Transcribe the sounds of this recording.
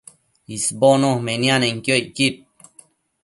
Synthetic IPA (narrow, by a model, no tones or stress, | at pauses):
isbonohmenjaneŋkjojkit̚